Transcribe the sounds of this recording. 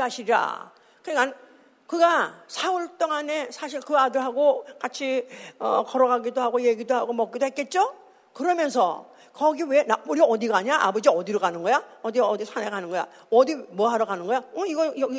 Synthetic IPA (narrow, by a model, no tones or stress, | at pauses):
aɕʰiɾiɾa̰ | kɯɲik͈an | kɯɡasʰaɯɭt͈oŋane̞sʰaɕ̬ʰiɭkɯadɯɾɦaɡokat͡ɕʰiʌ̰kʌɾʌɡaɡidoɦaɡoje̞ɡidoɦaɡomʌk͈idoɦet̚k͈e̞t̚t͡ɕ͈o | kɯɾʌmjʌnsʰʌ̰ | kʌɡiwe̞nauɾiʌdiɡaɲaʔa̰bʌd͡ʑiʌdiɾoɡanɯnɡʌjaʌdiʌdisʰaneɡanɯnɡʌja̰ | ʌdimʌɦaɾʌkanɯnɡʌjaʌiɡʌjʌɡi